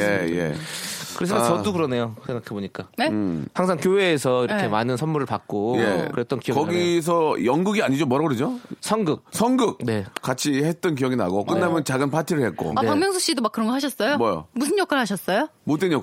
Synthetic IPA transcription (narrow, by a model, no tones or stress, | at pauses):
jeje̞̰kɯɾesʰɯmat͡ɕʌokɯɾʌne̞josʰe̞ŋɡakʰeboɲik͈anehaŋsʰaŋkjoɦe̞ːsʰʌiɾʌkkʰe̞manɯnsʰʌnmuɾɯɭpak̚k͈ojḛkɯɾet̚t͈ʌnkijʌkʌɡis̬ʰʌjʌŋɡuɡiaɲid͡ʑomwʌɾaɡʌɾed͡ʑosʰʌŋɡɯk̚sʰʌnɡɯk̚ne̞k͈at͡ɕʰihet̚t͈ʌnk̬ijʌɡina̰ɡok͈ɯndamjʌnt͡ɕaɡɯnpʰatʰiɾɯɭhet̚k͈o̰apaŋmjʌŋsʰoɕ͈idomak͈ːɯɾʌnŋɡʌɭɦaɕ̬ʰʌs͈ʌjomʌjo̰musʰɯnjʌkʰaɭɦaɕ̬ʰʌs͈ʌjomot͈wenɲjʌ